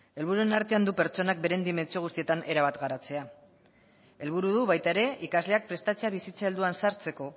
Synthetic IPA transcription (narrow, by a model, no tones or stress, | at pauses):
e̞lβ̞uɾue̞naɾt̪e̞and̪upe̞ɾt͡ʃo̞nak̚be̞ɾe̞nd̪ime̞nt͡sioust̪ie̞t̪anʔe̞ɾaβat̪ɡaɾat͡se̞a | e̞lβ̞uɾuðuβajt̪ae̞ɾe̞ʔikazle̞ak̚pɾe̞st̪at͡seaβisit͡saeld̪uansaɾt͡se̞ko̞